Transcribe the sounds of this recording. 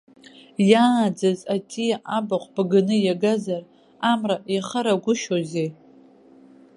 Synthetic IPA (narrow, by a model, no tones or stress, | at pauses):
jad͡zazatʼijaʔabaχʷb̥ɡɨnɨjaɡazar | amraiχəɾaɡʷʊʃoze